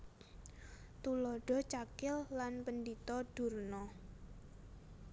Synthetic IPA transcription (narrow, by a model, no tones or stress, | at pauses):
t̪ulɔɖ̥ɔ̤t͡ʃakɪlːanpənɖit̪ɔɖ̥ṳrnɔ